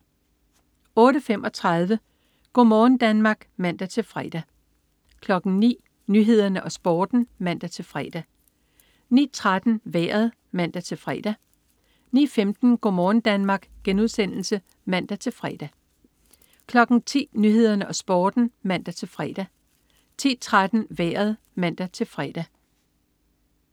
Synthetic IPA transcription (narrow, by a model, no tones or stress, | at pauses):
ɔ̽ːɾəfem̰ʔɒ̽t͡sʰʁað̞ˠʋə | ɡ̥ɔmɒːn̩d̥ænmɑ̈ːɡ̥mæn̰d̥æt͡sʰe̝lfʁɛd̥æ | kʰlɒ̽ɡ̥n̩nḭː | nyɦe̝ð̞̰ˠɐnəʔɒ̽sb̥ɒːd̥n̩mæn̰d̥æt͡sʰe̝lfʁɛ̰d̥æ | nḭːt͡sʰʁad̥n̩ʋḛːɐð̞ˠ | mæn̰d̥æt͡sʰe̝lfʁɛ̰d̥æ | nḭːfemd̥n̩ɡ̥ɒ̰mɒːn̩d̥ænmɑ̈ːɡ̥ɡ̥enuðˠsen̰l̩sə | mæn̰d̥æt͡sʰe̝lfʁɛd̥æ | kʰlɒ̽ɡ̥n̩t͡sʰḭːnyɦe̝ð̞̰ˠɐnəʔɒ̽sb̥ɒːd̥n̩mæn̰d̥æt͡sʰe̝lfʁɛ̰d̥æ | t͡sʰḭːt͡sʰʁad̥n̩ʋæːɐð̞̩ˠ | mæn̰d̥æt͡sʰe̝lfʁɛːd̥æ